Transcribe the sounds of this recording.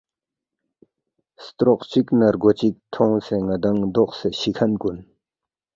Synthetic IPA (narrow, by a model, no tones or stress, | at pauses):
st̪ɾoχ̚t͡ɕik̚nərɡot͡ɕik̚t̪ʰoŋsəŋəd̪aŋd̪oχsəɕʰikʰankun